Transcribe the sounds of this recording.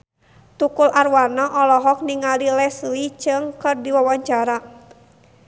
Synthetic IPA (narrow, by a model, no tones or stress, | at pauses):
t̪ukulʔarwanaʔɔlɔɦɔk̚niŋalilɛsit͡ʃɨŋkɨrdiwawaɲt͡ʃaɾa